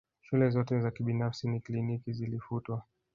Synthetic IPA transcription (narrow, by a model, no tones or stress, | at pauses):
ʃulɛzɔtɛzakiɓinafsiniklinikizilifutwa